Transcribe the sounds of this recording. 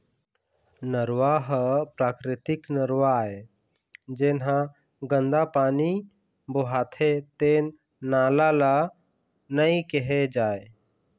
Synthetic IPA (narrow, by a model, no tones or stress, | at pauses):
nəɾwaɦpɾaːkɾɪt̪ɪknəɾwae | d͡ʒenɦã | ɡə̃nd̪apaːni | boɦaːt̪ʰet̪eːnː | aːlala | nəikeɦed͡ʒaːe